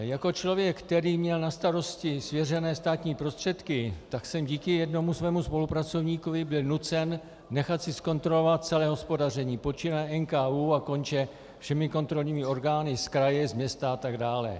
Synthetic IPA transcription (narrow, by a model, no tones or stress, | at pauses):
jako̞t͡ʃlo̞vjɛkːt̪ɛɾiːmɲɛlnast̪aɾo̞scɪsvjɛrɛnɛːst̪aːt̪ɲiːpɾo̞st̪r̝̥ɛt̪kɪt̪aksɛmɟiːkɪjɛdno̞musvɛːmuspo̞lupɾat͡so̞vɲiːkovɪbɪlnut͡sɛn | nɛxat̪sɪsko̞nt̪ɾo̞lo̞vat̪̚t͡sɛlɛːɦo̞spo̞darɛɲiːpo̞t͡ʃɪnaʔɛnkaːuːako̞nt͡ʃɛ | fʃɛmɪko̞nt̪ɾo̞lɲiːmɪo̞ɾɡaːnɪskɾajɛzmɲɛst̪aat̪aɡdaːlɛ̰